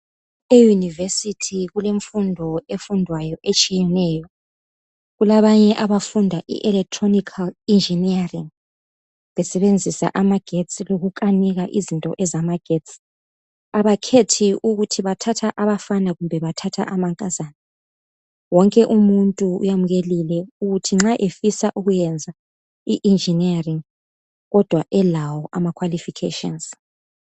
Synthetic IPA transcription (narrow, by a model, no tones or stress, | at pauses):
ejunivesitʰiɣuleɱfundʱɔefundʱwajɔʔet͡ʃʼijɛnɛːjɔ | ɣulaβaɲɛʔaβafundʱaʔḭʔɛlɛk̚tʰʼronikʰalind͡ʒʱiniariŋ | βɛsɛβend͡zʱisa̰ʔamaɡ̥ʱetsʼiloɣukʼaniɣaʔizintʼɔ̰ʔɛzamaɡ̥ʱett͡sʼi̥ | aβakʰetʰiʔuɣutʰiβatʰatʰaʔaβafanaɣumbʱɛβatʰatʰa̰ʔamaŋkʼazanɛ | wɔŋkʼɛʔumuntʼuṵjamuɣelilɛuɣutʰiŋ͡ǁaʔefisaʔuɣujɛnd͡zʱa | iʔind͡ʒiniariŋ | ɣɔd̥ʱwaʔɛlawɔʔamakʰwalifikʰḛʃɔ̰nz